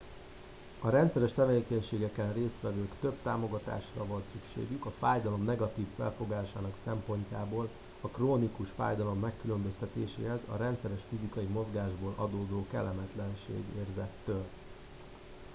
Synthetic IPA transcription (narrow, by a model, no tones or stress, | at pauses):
ɒɾɛnt̪sɛɾɛʃt̪ɛveːkɛɲʃeːɡɛkɛnreːst̪ʋɛvøːkt̪ø̞bt̪aːmo̞ɡɒt̪a̰ːʃrɒvɒltsykʃḛːɡykɒfaːjd̪ɒlo̞mnɛɡɒt̪iːfːɛ̰lfo̞ɡaːʃaːnɒksɛmpo̞ɲcaːboːl | ɒkroːnikuʃfa̰ːjd̪ɒlo̞mːɛkːylø̞mbøst̪ɛt̪eːʃḛːɦɛzɒ̰ɾɛnt̪sɛɾɛʃfizikɒimo̞zɡaːʒboːlʔɒ̰d̪oːd̪oːkɛ̰lːɛmɛt̪lɛnʃḛːɡḛːrzɛt̪ːøːl